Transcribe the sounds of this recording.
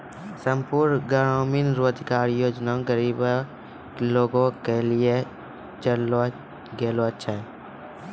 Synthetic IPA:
sə̃mpuɾnɡəɽaːminɾoːəd̪ʱkaːɾjoːd͡ʒnaõɡəɾiːb | loːɡõkelie | t͡ʃəlo | ɡeːloətːʃʰaɦɛ

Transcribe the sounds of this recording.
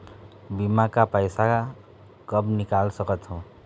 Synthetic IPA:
bimakapʌjsa | kʌbnikalsʌkʌt̪ʰõ

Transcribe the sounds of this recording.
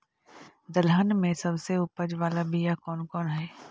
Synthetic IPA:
d̪ɐlɦənmẽsɐbseʊpəd͡ʒʋaːlabʱijakɔːnkɔːnɦɛː

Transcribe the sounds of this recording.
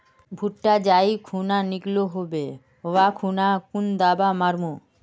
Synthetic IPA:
bʱuʈʈad͡ʑajkʰunaniɡloɦobe | owakʰunakund̪abamaɾmo

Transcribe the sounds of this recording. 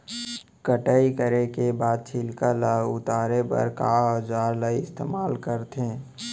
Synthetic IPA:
kəʈaikəɾekebaːd̪̚t͡ʃʰɪlkalaʊt̪aːɾepə̰ɾkaːɔd͡ʒaːɾlaiɪst̪ḛːmaːlkəɾt̪ẽ

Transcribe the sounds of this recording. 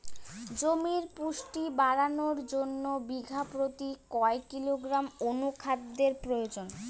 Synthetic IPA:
d͡ʑomiɾpuʃʈibaɾanoɾd͡ʑonːobiɡʱapɾot̪ikɔekːiloɡɾamonukʰad̪ːeɾpɾojod͡ʑon

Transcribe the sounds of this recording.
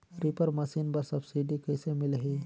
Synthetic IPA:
ɾipəɾməsiːnbəɾsəbsiɖikəjsemilɦe

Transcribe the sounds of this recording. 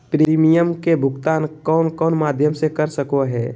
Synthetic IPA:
pɾiiːmijəmkebʱʊɡt̪aːnkɔːnkɔːnmaːd̪ʱjəmsekəɾsəkoɦɛː

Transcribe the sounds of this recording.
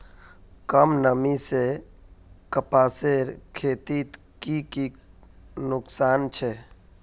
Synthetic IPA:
kəmnəmise | kəpaːseɾkʰeːt̪it̪ | kiki | nʊksaːnt͡ʃʰɛ

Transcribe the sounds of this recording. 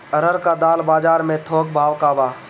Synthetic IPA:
əɾəɾkad̪aːlbaːd͡ʒaːɾmẽt̪ʰoːkbʱaːwkaːbaː

